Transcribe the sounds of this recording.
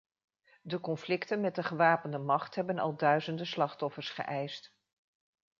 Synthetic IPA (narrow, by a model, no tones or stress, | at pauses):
dəkɔnflɪktənmɛt̚dəχəʋaːpəndəmɑχtɦɛbənɑ̰lˠdœɥzəndəslɑχtɔfəɹsχə̰ʔɛjst